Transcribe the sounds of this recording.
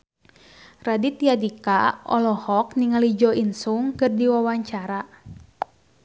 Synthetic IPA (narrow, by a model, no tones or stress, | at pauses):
radit̪ijadikaɔ̰lɔhɔk̚niŋalid͡ʒɔinsuŋkɨrdiwawaɲt͡ʃaɾa